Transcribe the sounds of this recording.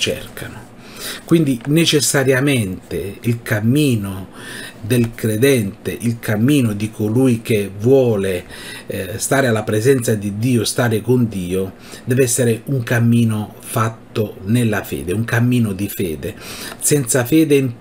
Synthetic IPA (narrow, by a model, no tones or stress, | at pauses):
t͡ʃɛ̰rkʰanʊ | kwind̪inet͡ʃɛsːaɾjamɛnt̪eilkamːiːnod̪elkɾed̪ɛnt̪eʔilkamːiːnʊd̪ikʰoluːjk̟evːwɔːle | st̪aːɾealːapɾɛzɛnt̪sad̪id̪ːiːost̪aːɾɪkond̪iːo | d̪ɛːvɛsːeɾɪuŋkamːiːno | fat̪ːonelːafɛ̰ːd̪euŋkamːiːnʊd̪ifɛːd̪esɛnt̪safɛːd̪em